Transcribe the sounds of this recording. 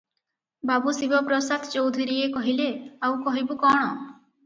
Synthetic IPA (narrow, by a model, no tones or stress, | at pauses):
babusibɔpɾɔsad̪ʰt͡ʃowd̪ʱiɾiekɔɦileawkɔɦibukɔɽ̃ɔ